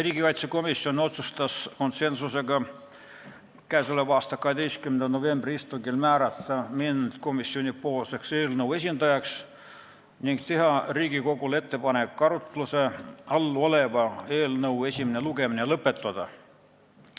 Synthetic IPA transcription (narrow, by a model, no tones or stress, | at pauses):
riːɡikɑjt̪seko̞misio̞no̞t̪sust̪ɑsko̞nse̞nsuse̞ɡɑ | kæjsolevɑːst̪ɑkɑhe̞d̪ejst̪kymend̪ɑno̞ve̞mbriist̪uŋɡilmæːɾɑt̪ːˑɑmind̪̥ko̞misːio̞nipo̞ːlse̞kse̞ːlnɤwe̞s̬ʲind̪̥ɑjɑks | niŋɡt̪e̞ɦɑriːɡiko̞ɡule̞t̪ːe̞pɑnekːɑɾut̪ˑluse̞ɑlːuo̞le̞vɑe̞ːlnɤwe̞sʲimineluɡe̞minelɤpːˑe̞t̪ːˑɑd̪̥ɑ̰